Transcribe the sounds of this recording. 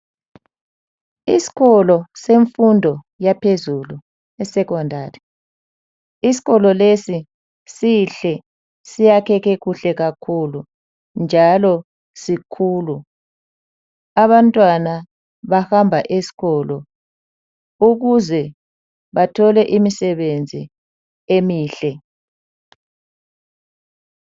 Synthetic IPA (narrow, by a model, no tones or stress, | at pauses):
isi̥ɣɔlɔseɱfundʱɔ | japʰezulu | ɛsɛɣɔndʱaːɾi | isi̥ɣɔlɔlesi | siɬɛ | sijakʰɛɣeɣuɬɛɣakʰulu | nd͡ʒʱalɔ | sikʰuːlu | aβantʼwana | βahambʱaʔesi̥ɣɔlɔ | uɣuzɛ | βatʰɔlɛʔimisɛβend͡zʱi | emiːɬɛ